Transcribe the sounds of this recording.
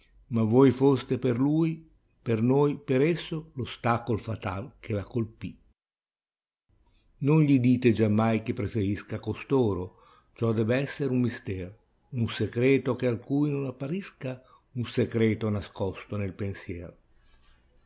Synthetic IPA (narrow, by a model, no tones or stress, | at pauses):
mavojfost̪eperluːj | pernojpeɾɛsːolost̪akolfat̪a̰lk̟elakolpi | nonʎid̪iːt̪ed͡ʒamːajkepːɾefeɾiskakost̪oːɾo | t͡ʃɔd̪ɛːbeɛsːeɾumːist̪ɛːɾ | unsekɾeːt̪okealkuːjnonapːaɾiska | unsekɾeːt̪onaskɔst̪onelpensjɛːɾo